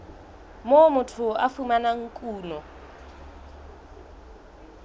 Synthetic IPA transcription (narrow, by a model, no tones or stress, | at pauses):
momʊtʰʊafumanaŋ̩kʼuːnɔ